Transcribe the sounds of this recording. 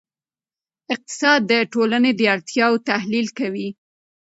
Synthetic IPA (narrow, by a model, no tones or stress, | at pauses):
ɪq̚t̪ɪ̥sɑd̪̚ːəʈolaned̪əaɽt̪ʰjɑwt̪ahlilkawi